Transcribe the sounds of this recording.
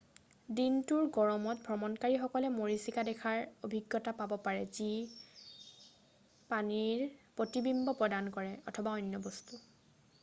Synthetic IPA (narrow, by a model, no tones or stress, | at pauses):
dintuɹɡɔɹɔmɔt̚bʱɹɔmɔnkaɹixɔkɔlɛmoɹisikadɛkʰaɹobʱiɡːɔtapabɔpaɹɛzi | paniɹpotibimbɔpɹɔdankɔɹɛɔ̰tʰɔbaɔnːjɔbɔstu